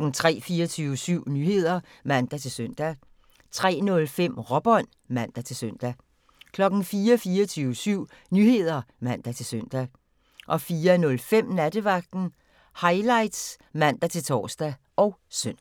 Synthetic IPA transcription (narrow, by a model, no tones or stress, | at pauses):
n̩t͡sʰʁɛ̰ːfiːɐt͡sʰyːʊəsyʊ̰nyːhe̝ð̞̰ˠɐ | mæn̰d̥æt͡sʰe̝lsøn̰d̥æ | t͡sʰʁɛ̰ːnɔ̽lfem̰ʁɒ̽b̥ɒ̽n̰ | mæn̰d̥æt͡sʰe̝lsøn̰d̥æ | kʰlɒ̽ɡ̥n̩fiːɐfiːɐt͡sʰyːʊəsyʊ̰ | nyːhe̝ð̞̰ˠɐmæn̰d̥æt͡sʰe̝lsøn̰d̥æ | ʔɒ̽fiːɐnɔ̽lfem̰næd̥əʋɑ̈ɡ̥̚d̥n̩ | hɑ̈ɪlɑ̈ɪd̥s | mæn̰d̥æt͡sʰe̝lt͡sʰɒ̰ːsd̥æ | ʔɒ̽ʊsøn̰